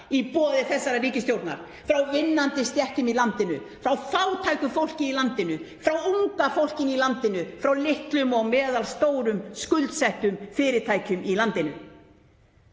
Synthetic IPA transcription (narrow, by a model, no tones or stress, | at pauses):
ipɔːðɪθɛsːaɾariːcɪst̪jowɾt̪na̰ɾ̥ | fɾawvɪnːant̪ɪst̪jɛht̪ʏmilant̪ɪnʏ | fɾawfaːwt̪ʰajkʏfowl̥cɪilant̪ɪnʏfɾawuŋkafowl̥cɪnilant̪ɪnʏfɾawlɪht̪lʏmɔɣmɛːðalst̪oːwɾʏmskʏlt̪sɛht̪ʏmfɪːɾɪt̪ʰaːjcʏmilant̪ɪnʏ̰